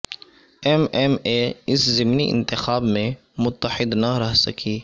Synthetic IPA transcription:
ɛmɛmeɪszɪmniʔɪ̰̃nt̪ɪxaːbmẽ | mʊt̪ːəħɪd̪nɐɾɛɦsɐkʰiː

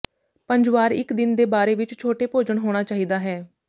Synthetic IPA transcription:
pəɲd͡ʒʋaːɾɪ̰kd̪ɪnd̪eːbaːɾeːʋɪt͡ʃt͡ʃʰoːʈeːpoːd͡ʒəɳɦoːɽ̃aːt͡ʃaːɦiːd̪aːɦɛː

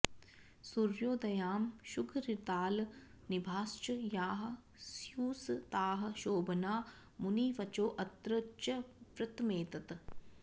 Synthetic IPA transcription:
suɾjoːd̪ɐjaːmʃukʰɾit̪aːl | nibʱaːst͡ʃɐjaːɦɐ̆ | sjuːst̪aːɦɐ̆ʃoːbɐnaː | muniːʋɐt͡ʃoːʔɐt̪ɾɐt͡ʃɐpɾɐt̪meːt̪ɐt̪

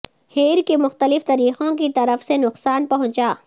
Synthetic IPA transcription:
heːɾkemʊxt̪əlɪft̪ɐɾiːqõkit̪ɐɾəfsenʊqsaːnpɐɦʊ̃t͡ʃaː

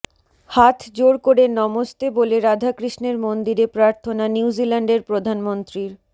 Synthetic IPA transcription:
hat̪ʰd͡ʑoɾkoɾenɔmost̪eboleɾad̪ʱakɾiʃneɾmond̪iɾepɾaɾt̪ʰonanjiwd͡ʑilaɳɖeɾpɾod̪ʱanmont̪ɾiɾ

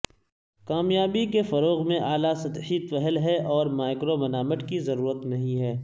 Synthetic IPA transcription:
kaːmjaːbikefɐɾoːɣmẽʔaːlasɐt̪ħiːt̪fɛɦəlɦɛʔɔːɾmaːɪkɾomɐnaːməʈkizɐɾuːɾət̪nɐɦĩɦɛː

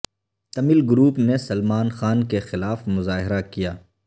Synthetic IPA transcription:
t̪ɐmilɡɾuːpnesɐlmaːnxaːnkexɪlaːfmʊzaːɦɪɾakijaː

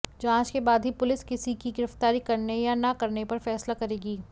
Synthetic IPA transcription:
d͡ʒãːt͡ʃkebaːd̪ʱɦipʊlɪskɪsikiɡɪɾəft̪aːɾikɐɾnejanɐkɐɾnepɐɾfɛːslakɐɾeːɡiː

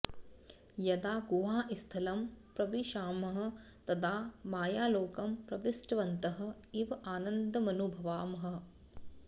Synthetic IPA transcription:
jɐd̪aːɡuʋaːʔist̪ʰɐlɐmpɾɐʋiʃaːmɐɦɐ̆ | t̪ɐt̪ʰaːmaːjaːloːkɐmpɾɐʋisʈɐʋɐnt̪ɐɦɐ̆ | iʋɐaːnɐnd̪ʱɐmɐnubʱɐʋaːmɐɦɐ̆

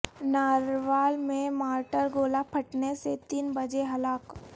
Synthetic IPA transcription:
naːɾʋaːlmẽmaːɾʈəɾɡoːlapʰɐʈneset̪iːnbɐd͡ʒeɦɐlaːk

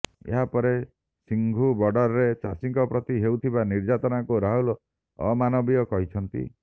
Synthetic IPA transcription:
ḛɦapɔɾe | siŋɡʱubɔɖɔɾɔɾet͡ʃa̰siŋkɔpɾɔt̪iɦewt̪ʰibaniɾd͡ʒat̪ɔnakuɾaɦul | ɔ̰manɔbiɔkɔɦit͡ʃʰɔnt̪ḭ

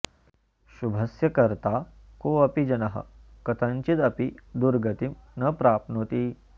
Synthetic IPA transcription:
ʃubʱɐsjɐkɐɾt̪aː | koːɐpid͡ʒɐnɐɦɐ̰kɐt̪ʰɐnt͡ʃit̪ɐpid̪uɾɡɐt̪imnɐpɾaːp̪̚noːt̪iː

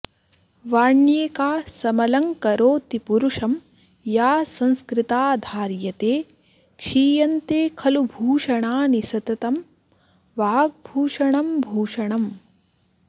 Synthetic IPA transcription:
ʋaːɳjeːkaːsɐmɐlɐŋkɐɾoːt̪ipuɾuʂɐm | jaːsɐ̃nskɾɪt̪aːd̪ʱaːɾjɐt̪eː | kʂiːjɐnt̪eːkʰɐlubʱuːʂɐɳaːnisɐt̪ɐt̪ɐm | ʋaːɡ̚bʱuːʂɐɳɐmbʱuːʂɐɳɐm

